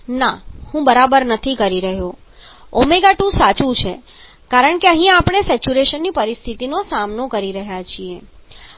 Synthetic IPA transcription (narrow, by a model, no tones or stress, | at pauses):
nahũbəɾabəɾnət̪ʰikəɾiɾəɦjo | omeɡaʈũsat͡ʃũt͡ʃʰe | kaɾəɳkeəɦĩapɽ̃esɛt͡ʃuɾeʃənːipəɾist̪ʰit̪inosamnokəɾiɾəɦjat͡ʃʰie